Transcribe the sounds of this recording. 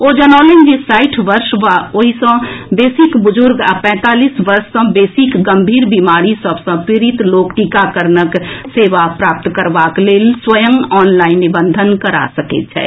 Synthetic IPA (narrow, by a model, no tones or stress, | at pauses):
oːd͡ʒɐnɔːlend͡ʒisaːɪʈʰʋəɾʃʋaoɦisə̃beːsɪkbʊd͡ʒʊɾɡapɛ̃ːt̪aːliːsʋəɾʃsə̃beːsɪkɡə̃mbʱiːɾbimaːɾisəbsə̃pɾɪɾit̪loːkʈikakəɾnəkseːʋapɾaːp̚t̪kəɾʋakleːlswəjəmɔːnlaːɪnːibə̃nd̪ʱənkəɾa̰səkḛt̪t͡ʃʰɛ̰ː